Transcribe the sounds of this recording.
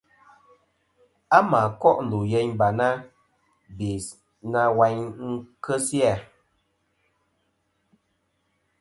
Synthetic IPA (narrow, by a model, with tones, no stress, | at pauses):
a˦ma˨kɔ˦ʔn̩˨lu˨je˨ɲba˨na˦ | be˨ | na˦wa˨˦ɲŋ̩˦kə˦sja˦˨